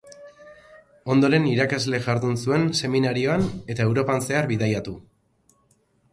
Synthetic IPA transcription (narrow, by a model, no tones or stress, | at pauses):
o̞nd̪o̞ɾe̞niɾakazle̞ʝaɾðunsue̞nse̞minaɾio̞ane̞t̪ae̞wɾo̞panse̞arβiðajat̪u